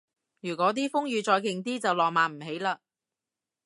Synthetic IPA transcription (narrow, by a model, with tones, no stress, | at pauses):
jyː˨˩kɔː˨˧˥t̪iː˥fʊ˥ŋjyː˨˧t͡ʃɔː˧jkɪ˨ŋt̪iː˥t͡sɐ˨wlɔː˨k̚maː˨˧m̩˨˩ɦe˨˥jlaː˧